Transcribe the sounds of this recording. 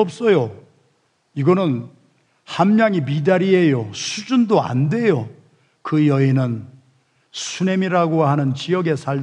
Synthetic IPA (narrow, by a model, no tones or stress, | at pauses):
ʌp̚s͈ʌjo | iɡʌnɯn | hamːjaŋimidaɾiɦejosʰud͡ʑundoa̰nde̞jo | kɯjʌinɯn | sʰune̞miɾaɡoɦanɯnt͡ɕijʌɡe̞sʰaɭ